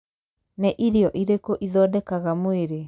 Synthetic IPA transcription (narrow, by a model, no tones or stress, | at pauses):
nɛʔiɾejɔʔiɾekoʔiðɔːdɛkaɣamweɾe